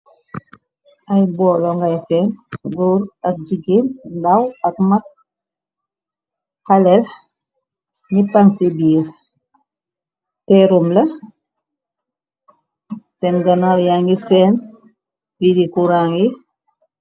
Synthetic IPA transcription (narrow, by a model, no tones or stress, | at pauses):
ajbɔːlɔŋɡajsɛːnɡuɾak̚d͡ʒiɡinndawakmat̚ | halɛl | nipaŋsibiːɾ | tɛɾumlɐ | sɛnɡanaljaŋɡisɛːn | bidikuɾaːŋi